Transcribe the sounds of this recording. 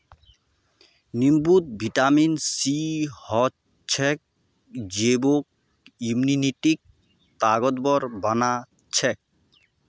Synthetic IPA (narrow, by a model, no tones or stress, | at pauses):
nimbut̪̚bʱiʈaminsihɔ | t͡ʃʰɛk̚ | d͡ʒebok̚ | imniniʈik̚ | t̪aɡɔt̪bɔɾbana | t͡ʃʰɛk̚